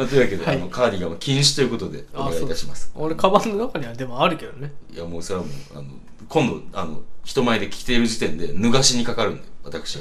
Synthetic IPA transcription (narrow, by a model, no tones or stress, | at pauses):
mad̪eake̞d̪oano̞kʰaːɾʲiɡamakʲĩɰ̃ɕi̥t̪o̞jiɯ̟ko̞t̪o̞d̪e̞oeɡait̪aɕimasɨ̥oɾekabãnːonakaɲ̟iβad̪e̞moaɾɯ̟ke̞d̪onejamoːsoɾamo̰ːa̰no̞̰ | kʰõ̞nd̪o̞̰ano̞çi̥t̪o̞maed̪e̞kʲi̥kʲi̥t̪e̞iɾɯ̟ʑit̪ẽ̞nd̪e̞nɯ̟ɡaɕiɲ̟ikakaɾɯ̟̃nd̪a̰joβat̪akɯ̟̥ɕia